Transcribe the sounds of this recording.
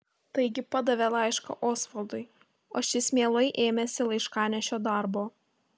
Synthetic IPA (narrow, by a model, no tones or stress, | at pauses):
t̪ɐɪɡʲɪpɑd̪ɐʋʲɛlˠɑˑɪʃkɐ̰ʔoːsfɐlˠd̪ʊɪ | o̰ːʃʲɪsʲmʲeːlˠɐɪʔeːmʲɛsʲɪlˠɐɪʃkɑːnʲɛʃʲoːd̪ɑˑɾboː